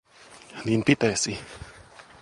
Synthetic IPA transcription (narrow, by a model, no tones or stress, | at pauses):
niːnpit̪esi